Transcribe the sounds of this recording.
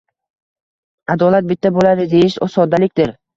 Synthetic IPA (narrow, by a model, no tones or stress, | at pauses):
ad̪ɒlat̪̚bɪt̪ʰːabolad̪ɪd̪ejɪʃɒ̰sɒd̪ːalɪkʲd̪ɪɾ